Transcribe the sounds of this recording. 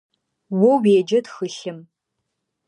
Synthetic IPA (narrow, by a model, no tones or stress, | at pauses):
wɔweːd͡ʒɐtxɨɬɨm